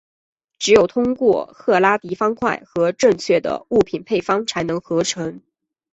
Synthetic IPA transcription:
ʈ͡ʂɻ̩˧˥jo˨˩ʊt̪ʰʊ˥ŋkwɔ˥˧xʰɤ˥˩la˥t̪i˧˥fɑ˥ŋkʰwa̰˥˩ɪxɤ˧˥ʈ͡ʂɤ˥˧ŋt͡ɕʰɥɛ˥˩d̪ə̰˩u˥˩pʰi˨˩npʰe˥˩ɪfɑ˥ŋt͡sʰa˧˥ɪnɤ˧˥ŋxɤ˧˥ʈ͡ʂʰɤ˧˥ŋ

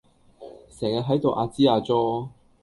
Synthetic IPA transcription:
sɛː˨˩ŋja˧ɦɐ˨˥jt̪o˨wʔaː˧t͡siː˥aː˧t͡sɔː˥˧

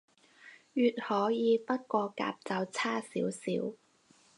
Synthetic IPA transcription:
jyː˧t̚hɔː˨˥jiː˨˧pɐ˥t̚kʷɔː˧ka̰ː˧p̚t͡sɐ˨˧wt͡sʰaː˥sḭː˨˥wsiː˨˥w

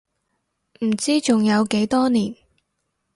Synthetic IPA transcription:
m̩˨˩t͡siː˥t͡sʊ˨ŋjɐ˨˧wke˨˥jt̪ɔː˥niː˨˩n

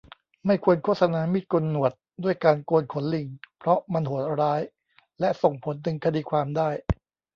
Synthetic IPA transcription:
ma˥˩jkʰu˧ənkʰo˥˩t̪̚sa˧naː˧mi˦˥˩t̪̚kʰo˧nːu˨˩ət̪̚du˥˩əjkaː˧nkoː˧nkʰo˩˦nli˨˩ŋpʰɾɔ˦˥ma˧nhu˨˩ət̪̚ɾaː˦˥j | lɛ˦˥ʔso˨˩ŋpʰo˩˦nt̪ɯ˩˨˦ŋkʰa˧diː˧kʰwaː˧mdaː˥˩j

